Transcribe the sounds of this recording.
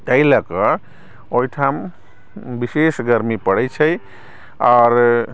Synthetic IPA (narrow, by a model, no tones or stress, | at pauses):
t̪əjləkə | ojʈʰam | bisesɡəɾmipəɽəjt͡ʃʰəj | ɔɾ